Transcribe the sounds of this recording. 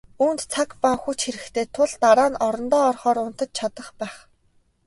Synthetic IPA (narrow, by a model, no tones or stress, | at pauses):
uːnt̪t͡sʰakpaxut͡ɕxeɾɘ̆kt̪ʰeːt̪ʰʊɮt̪aɾaːnɔɾɞ̆nt̪ɔːrχɔːɾʊn̥t̪ə̆t͡ɕ̚t͡ɕʰat̪ə̆χpæːχ